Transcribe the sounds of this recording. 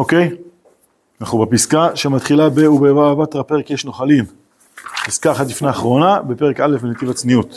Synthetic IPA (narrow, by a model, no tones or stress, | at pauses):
okej | naχubapiskaʃemat̪χilabeubeavat̪ʁape̞ʁekjeʃno̞χalim | piskaːχat̪lifneaχʁo̞nabe̞peʁekale̞fbenet̪ivat͡sniut̪